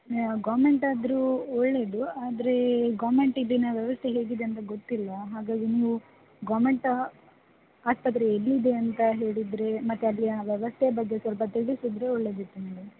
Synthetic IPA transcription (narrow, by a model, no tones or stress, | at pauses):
ɡaːme̞ɳʈaːd̪ɾuɔɭːe̞d̪uaːd̪ɐɾe̞ɡaːʋme̞ɳʈid̪inɐʋjɛʋɐst̪ʰeɦe̞ːɡid̪eɐnt̪ɐɡot̪ːilːɐɦaːɡaːɡeniːʋu | ɡaːmeɳʈ | aːspɐt̪̬ɾeːlːid̪e̞ɐnt̪ɐɦe̞ːɭid̪ɾe̞mɐt̪ːeɐlːiɐʋjɛʋɐst̪ʰebɐɡːesʋɐlpɐt̪iɽisid̪ɾe̞ɔɭːed̪it̪ːunɐɽi